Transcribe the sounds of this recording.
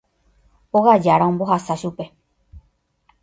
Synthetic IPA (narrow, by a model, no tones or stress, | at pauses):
oɣad͡ʒaɾaõmbo̞ɦasaʃupe̞